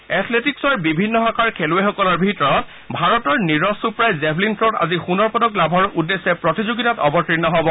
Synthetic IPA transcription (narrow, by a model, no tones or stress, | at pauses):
ɛt̪ʰletiksɔɹbibʱinːɔxakʰaɹkʰelʊexɔkɔlɔɹbʱitɔɹɔt̚ | bʱaɹɔtɔɹniɹɔsupɹajzɛblintɹota̰zixunɔɹpɔdɔklabʱɔɹudːesɛpɹɔtizoɡitatɔbɔtɹinːɔɦɔbɔ